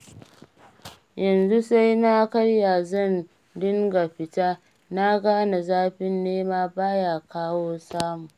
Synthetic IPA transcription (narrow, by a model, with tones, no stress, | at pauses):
jɐ˨nzu˦sa˦jna˦kɐ˦rja˨zɐ˦˨n | dʊ˦ŋɡa˨ɸɪ˨ta˦ | na˦ɡaː˦na˨zaː˦ɸɪ˦nːeː˦maː˦baː˦ja˨kaː˦woː˦saː˦mu˨